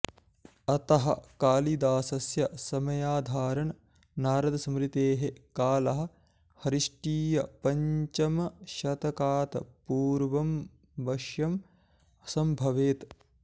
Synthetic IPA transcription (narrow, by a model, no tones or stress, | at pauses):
ɐt̪ɐɦɐ̰kaːlid̪aːsɐsjɐsɐmɐjaːd̪ʱaːɾɐɳ | naːɾɐd̪ɐsɐmɾit̪eːɦekaːlɐɦɐ̆ | hɐɾiʂʈiːjɐpɐɲt͡ʃɐmɐʃɐt̪ɐkaːt̪ɐ̰puːɾʋɐm | bɐʃjɐm | ɐsɐmbʱɐʋeːt̪